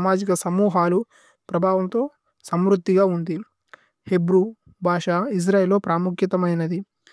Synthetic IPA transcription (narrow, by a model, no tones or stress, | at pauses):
maːd͡ʒikɐsɐmuːɦaːlu | pɾɐbʱaːʋɐmt̪o̞ː | sɐmɾut̪ːiɡaːund̪i | he̞bɾu | bʱaːʂaːis̬ɾaːjelːo̞ːpɾaːmukʰjɐt̪ɐmɐjnɐd̪i